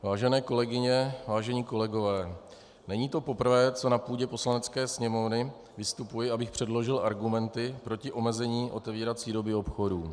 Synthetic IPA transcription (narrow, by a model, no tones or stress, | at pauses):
vaːʒɛnɛːko̞lɛɡɪɲɛvaːʒɛɲiːko̞lɛɡo̞vɛː | nɛɲiːt̪o̞po̞pr̩vɛːt͡so̞napuːɟɛpo̞slanɛt͡skɛːsɲɛmo̞vnɪ | vɪst̪upujɪʔabɪxpr̝̥ɛdlo̞ʒɪlʔaɾɡumɛnt̪ɪpɾo̞cɪʔo̞mɛzɛɲiːʔo̞t̪ɛviːɾat͡siːdo̞bɪo̞pxo̞duː